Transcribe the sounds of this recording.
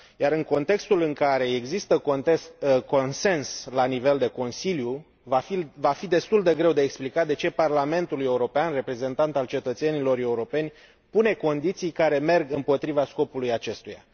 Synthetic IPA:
jaɾɨŋko̞nt̪e̞kst̪ulɨŋkaɾe̞eɡzist̪əkot̪esko̞nse̞nslanive̞ld̪e̞ko̞nsilju | vaivafid̪e̞st̪uld̪e̞ɡɾe̞wd̪eeksplikat̪̚d̪e̞t͡ʃe̞parlame̞nt̪uluje̞uɾo̞peanre̞pɾe̞ze̞nt̪ant̪alt͡ʃe̞t̪ət̪senilo̞re̞uɾo̞pe̞nʲ | pune̞ko̞nd̪it̪sijkaɾe̞me̞rɡɨmpo̞t̪ɾivasko̞pulujat͡ʃe̞st̪uja̰

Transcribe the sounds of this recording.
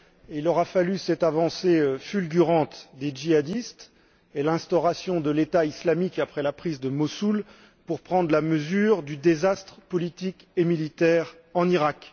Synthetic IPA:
ilɔʁafalysɛt̪avɑ̃seøfylɡʲyʁɑ̃t̪d̪ed͡ʒiad̪ist̪ | elɛ̃st̪ɔʁasjɔ̃d̪əlet̪aislamikapχɛlapχizd̪əmɔsul | puʁpχɑ̃d̪ʁlaməzyʁd̪yd̪ezast̪χpɔlit̪ik | emilit̪ɛʁ | ɑ̃niʁak

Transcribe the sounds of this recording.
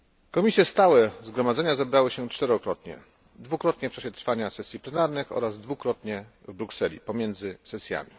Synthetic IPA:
kɔmʲisʲjɛst̪awɛzɡɾɔmad̪zɛɲazɛbɾawɘɕɛt͡ʂt̪ɛɾɔkɾɔt̪ɲɛ̰ | d̪vukɾɔt̪ɲɛft͡ʂaɕɛt̪ɾfaɲasɛsʲjiplɛnaɾnɘxɔ̰ɾazd̪vukɾɔt̪ɲɛvbɾuksɛlʲḭpɔmʲjɛnd̪zɘsɛsʲja̰mʲi

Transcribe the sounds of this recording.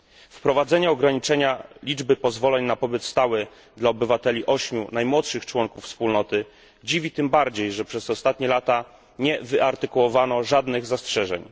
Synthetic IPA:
fpɾɔvad̪zɛɲɛɔɡɾaɲit͡ʂɛɲalʲid͡ʐbɘpɔzvɔlɛɲnapɔbɘt̪st̪awɘ | d̪laɔbɘvat̪ɛlʲiʔɔɕmʲjunajmwɔt̪ʂɘxt͡ʂwɔŋkufspulnɔt̪ɘ | d͡ʑivʲit̪ɘmbaɾd͡ʑejʐɛpʂɛzɔst̪at̪ɲɛlat̪a | ɲɛvɘʔaɾt̪ɘkuwɔvanɔʐad̪nɘɣzastʂɛʐɛ̰ɲ

